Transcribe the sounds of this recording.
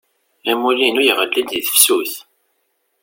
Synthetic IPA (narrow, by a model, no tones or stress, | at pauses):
æmulinujʁəlːind̪iθə̥fsuθ